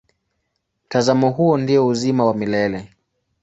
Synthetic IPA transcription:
m̩tazamɔɦuɔndiɔuzimawamilɛlɛ

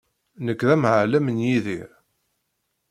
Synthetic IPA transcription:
nəkːðæmʕəlæmənjiðḭɾ

